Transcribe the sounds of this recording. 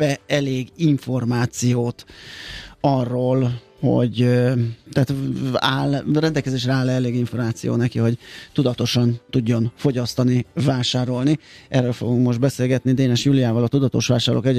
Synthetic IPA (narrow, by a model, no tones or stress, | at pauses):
ɛɛleːɡiɱfo̞rmaːt̪sijoːt̪ | ɒrːoːl | ho̰ɟ | t̪ɛːt̪aːlrɛnd̪ɛlkɛzeːʃrɛaːlːɛɛleːɡiɱfo̞rmaːt̪sijo̰ːnɛkiho̞ɟt̪ud̪ɒt̪o̞ʃɒnt̪uɟːo̞nfo̞ɟɒst̪ɒnivaːʃaːɾo̞lniʔɛrːøːlfo̞̰ɡuŋkmo̞ʒd̪̚bɛseːlɡɛt̪nid̪eːnɛʃjuːlijaːvɒlɒt̪ud̪ɒt̪o̞̰ʃʋaːʃaːrlʔo̰ːkɛɟ